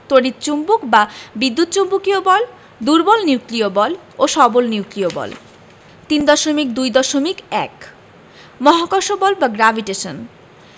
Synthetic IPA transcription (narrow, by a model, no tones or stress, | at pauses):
t̪oɽit̪t͡ɕumbukbabid̪ːut̪̚ːt͡ɕombukiobɔl | d̪uɾbɔlniwkɾiobɔl | oʃɔbolniukɾiobɔ̰l | t̪ind̪ɔʃomikd̪ujd̪ɔʃomikɛk | mɔɦakɔʃobɔlbaɡɾabʱiʈeʃon